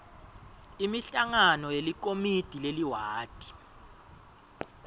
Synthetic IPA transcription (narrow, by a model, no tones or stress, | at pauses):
imiɬaŋanɔjelik̬omid̥ʱileliwaːd̥ʱʼi̥